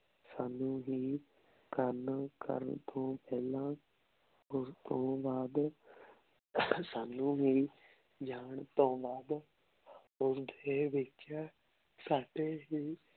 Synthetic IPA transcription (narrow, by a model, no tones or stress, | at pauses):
saːnũːɦiː | kəɾnːkə̰ɾənt̪ʰõːpɛːlãː | ʊst̪õːbaːd̪ | saːnũːɦiː | d͡ʒaːɳt̪õːbaːd̪ | ʊsd̪eːʋɪt͡ʃaː | saːɖeːɦiː